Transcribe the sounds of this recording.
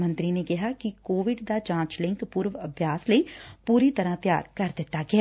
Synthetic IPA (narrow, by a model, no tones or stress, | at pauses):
mə̃nt̪ɾinekɪɦakikoːʋɪɖd̪ad͡ʒãːt͡ʃlɪ̃ŋkpuːɾʋɐbʱjaːsləipuːɾit̪ɐɾãt̪ja̰ːɾkɐɾd̪ɪt̪ːaɡɛː